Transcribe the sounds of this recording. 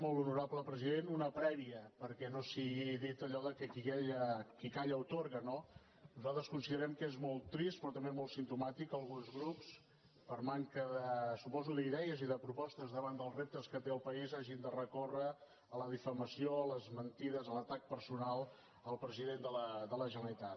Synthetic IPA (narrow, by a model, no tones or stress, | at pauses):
molˠunuɾabləpɾəziðenunəpɾɛβiəpəɾkɛnosiɣiðit̪əʎɔðəkɛkikɛʎəkikaʎəwt̪oɾɣəno | nuzalˠt̪ɾəskunsiðəɾɛmkəezmolˠt̪ːɾist̪̚pɾɔt̪əmbemolˠtsint̪umat̪ikəlˠɣ̞unzɣɾups | pərmaŋkəðəsupɔzuðəiðɛəziðəpɾupɔst̪əzðəβand̪əlˠzrep̚t̪əskət̪eəlˠpəizaʒind̪ərəkorə | ələðifəməsioləzmənt̪iðəzələt̪ak̚pəɾsunalˠ | əlˠpɾəziðend̪ələd̪ələʒənəlit̪at̪